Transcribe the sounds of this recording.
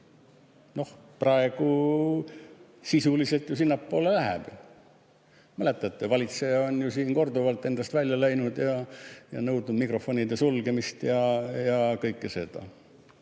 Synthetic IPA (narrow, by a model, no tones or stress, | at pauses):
no̞hprɑe̞ɡ̥u | sisulise̞lt̪jusinːɑpːo̞ːlelæɦḛb̥ | mæle̞t̪ːˑɑt̪ːˑevɑlʲit̪seonjusiːnko̞rd̪uvɑlt̪ːˑe̞nd̪ɑst̪vælʲjɑlæjnud̪jɑjɑ̰nɤwd̪nud̪mikro̞fonʲid̪esulɡ̥e̞mist̪jɑjɑkɤjkːˑese̞d̪̥ɑ̰